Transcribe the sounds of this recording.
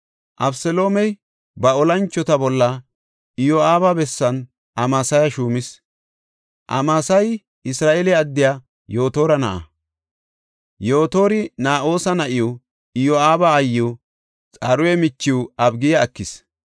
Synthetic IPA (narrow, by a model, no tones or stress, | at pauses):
ʔɐbsɛloːmɛj | bɐɔlɐnt͡ʃːɔt̪ɐbɔlːɐ | ɪjɔaːbabɛsːɐn | ʔɐmaːsɐjɐʃuːmɪs | ʔɐmaːsɐj | ɪsɾaːʔelɛɐd̪ːɪjaː | jo̞ːt̪oːɾɐnɐ̰ʔɐ̰ | jo̞ːt̪o̞ːɾɪnaːʔo̞ːsɐnɐʔɪju | ɪjoaːbaːjːo | t͡sʼɐɾʊwɛmɪt͡ʃːɪwʊɐbɡɪjɐːkːɪs